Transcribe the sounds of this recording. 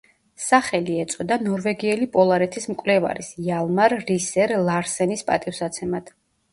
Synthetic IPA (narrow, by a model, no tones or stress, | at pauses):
saχɛliɛt̪sʼɔd̪anɔɾvɛɡiɛlipʼɔlˠaɾɛt̪ʰismkʼvlɛva̰ɾisjalˠmaɾːisɛɾlˠaɾsɛnispʼat̪ʼifsat̪sʰɛmad̪̥